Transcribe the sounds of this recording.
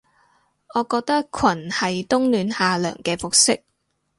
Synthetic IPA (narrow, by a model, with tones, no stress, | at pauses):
ŋɔː˨˧kɔː˧k̚t̪ɐ˥kkʰwɐ˨˩nhɐ˨jt̪ʊ˥ŋlyː˨˧nhaː˨lœ̰ː˨˩ŋkɛː˧fʊ˨k̚sɪ˥k̚